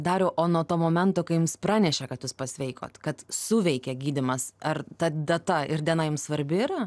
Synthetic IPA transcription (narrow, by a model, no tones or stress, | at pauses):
d̪ɑːɾʲoːʔoːnuɔt̪oːmoːmʲɛnt̪oːkɐɪjʊmspɾrɑːnʲɛʃʲɛkɐt̪juːspɐsʲʋʲɛɪko̰ːt̪kɐt̪suːʋʲɛɪkʲɛɡʲiːd̪ʲɪmɐsɐrt̪ɐd̪ɐt̪ɐɪɾd̪ʲiɛnɐjʊmsʋɐɾʲbʲɪɪɾɐ